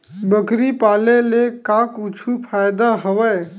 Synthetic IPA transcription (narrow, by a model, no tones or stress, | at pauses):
bəkɾipaːlelekakut͡ʃʰupʰajd̪aɦəʋəj